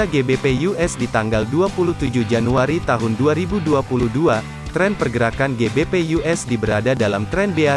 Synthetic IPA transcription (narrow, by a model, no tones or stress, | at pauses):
aɡebepejuɛsdit̪aŋɡalduapulut̪ud͡ʒuhd͡ʒanuaɾit̪aɦʊnduaɾibuduapuluhdua | t̪ɾɛnpərɡəɾakanɡebepejuʔɛsdibəɾadadalamt̪ɾɛnbea